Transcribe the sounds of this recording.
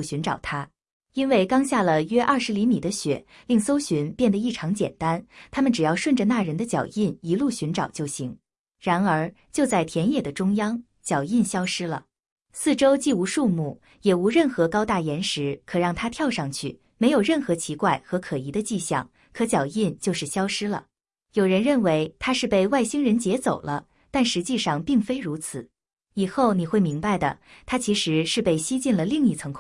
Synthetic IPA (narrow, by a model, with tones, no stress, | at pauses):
ɕy˧˥nʈ͡ʂɑ˨˩ʊt̪ʰa˥ | i˥nwe˥˩ɪkɑ˥ŋɕja˥˩lə˩ɥɛ˥ʔɐ˥˩ʂɻ̩˧˥li˧˥mi˨˩d̪ə˦ɕɥɛ̰˨˩˦ | li˥˩ŋso˥ʊɕy˧˥npjɛ˥˩nd̪ə˩i˥˩ʈ͡ʂʰɑ˧˥ŋt͡ɕjɛ̰˨˩nt̪a˥nt̪ʰa˥mə˨nʈ͡ʂɻ̩˨˩jɑ˥˧ʊʂwə˥˩nʈ͡ʂə˩na˥˩ɻə˧˥nd̪ə˧t͡ɕjɑ̰˨˩ʊi˥˩ni˧˥lu˥˩ɕy˧˥nʈ͡ʂɑ˨˩ʊt͡ɕjo˥˩ʊɕi˧˥ŋ | ɻa˧˥nə˞˧˥ | t͡ɕjo˥˧ʊt͡sa˥˩ɪt̪ʰjɛ˧˥njɛ˨˩d̪ə˩ʈ͡ʂʊ˥ŋjɑ˥ŋ | t͡ɕjɑ˨˩ʊi˥˩nɕjɑ˥ʊʂɻ̩˥lə̰˨ | sɹ̩˥˩ʈ͡ʂo˥ʊt͡ɕi˥˩u˧˥ʂu˥˧mu˥˩ | jɛ˨˩u˧˥ɻə˥˩nxɤ˧˥kɑ˥ʊt̪a˥˩jɛ˧˥nʂɻ̩˧˥kʰɤ˨˩ɻɑ˥˩ŋt̪ʰa˥t̪ʰjɑ˥˧ʊʂɑ˥˧ŋt͡ɕʰy˥˩ | me˧˥ɪjo˨˩ʊɻə˥˩nxɤ˧˥t͡ɕʰi˧˥kwa˥˩ɪxɤ˧˥kʰɤ˨˩i˧˥d̪ə˧t͡ɕi˥˧ɕjɑ̰˥˩ŋ | kʰɤ˧˥t͡ɕjɑ˨˩ʊi˥˧nt͡ɕjo˥˧ʊʂɻ̩˥˩ɕjɑ˥ʊʂɻ̩˥lə̰˨˩ | jo˨˩ʊɻə˧˥nɻə˥˩nwe˧˥ɪt̪ʰa˥ʂɻ̩˥˧pe˥˧ɪwa˥˩ɪɕi˥ŋɻə˧˥nt͡ɕjɛ˧˥t͡so˨˩ʊlə̰˦ | t̪a˥˩nʂɻ̩˧˥t͡ɕi˥˧ʂɑ˥˧ŋpi˥˩ŋfe˥ɪɻu˧˥t͡sʰɹ̩˨˩˦ | i˨˩xo˥˩ʊni˨˩xwe˥˩ɪmi˧˥ŋpa˧ɪd̪ə̰˩t̪ʰa˥t͡ɕʰi˧˥ʂɻ̩˧˥ʂɻ̩˥˧pe˥˩ɪɕi˥t͡ɕi˥˩nlə˩li˥˧ŋi˥˩t͡sʰɤ˧˥ŋkʰ